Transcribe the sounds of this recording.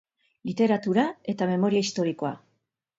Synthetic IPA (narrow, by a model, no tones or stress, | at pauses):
lit̪e̞ɾat̪uɾae̞t̪ame̞mo̞ɾiaist̪o̞ɾiko̞a̰